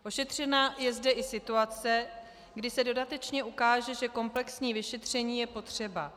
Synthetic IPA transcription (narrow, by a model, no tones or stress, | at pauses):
ʔo̞ʃɛt̪r̝̥ɛnajɛzdɛʔɪsɪt̪uat͡sɛ | ɡdɪsɛdo̞dat̪ɛt͡ʃɲɛukaːʒɛʒɛko̞mplɛksɲiːvɪʃɛt̪r̝̥ɛɲiːjɛpo̞t̪r̝̥ɛba